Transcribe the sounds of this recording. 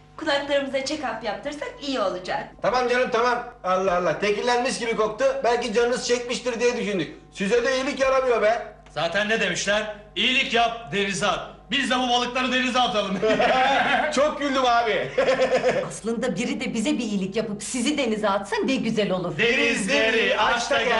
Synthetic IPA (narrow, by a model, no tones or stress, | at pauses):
kʰulˠaklˠaɾɯmɯzat͡ʃʰɛkapjap̚t̪ʰɯɾsakijio̞lˠud͡ʒakt̪ʰamamd͡ʒanɯmt̪ʰamamalˠːaɦalˠːat̪ʰecillʲːænmiʃɟibiko̞k̚t̪ʰɯbælʲcid͡ʒanɯnɯzt͡ʃʰɛc̚miʃt̪iɾd̪ijɛd̪yʃynd̪yc̚ʲ | syzɛd̪ɛijilʲicjaɾamɯjo̞ɾbɛn | zaːt̪ʰænːed̪e̞miʃlʲæɾ | ijilʲicjap̚d̪eɾizabizd̪ɛbubalˠɯklˠaɾɯd̪e̞nizat̪ʰalˠɯm | t͡ʃʰok̚ɟylʲd̪ymaːbi | aslˠɯnd̪abiɾid̪ɛbizɛbiːjlʲicjapɯpsizid̪e̞nizaːt̪sand̪ɛɟyzɛlʲo̞lˠuɾd̪enizɾiaʃt̪a